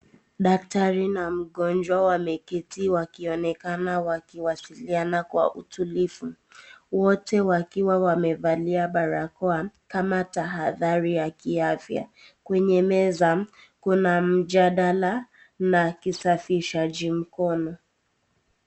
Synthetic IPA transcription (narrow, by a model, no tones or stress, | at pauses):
ɗak̚taɾinam̩ɠɔnd͡ʒwawamɛkɛtiwakiɔnɛkanawakiwasilianakwa̰ʔutulifu | wɔtɛwakiwawamɛvaliaɓaɾakɔakamataɦaðaɾijakiafja̰ | kwɛɲɛmɛza | kunam̩ʄaɗala | nakisafiiʃaʄim̩kɔnɔ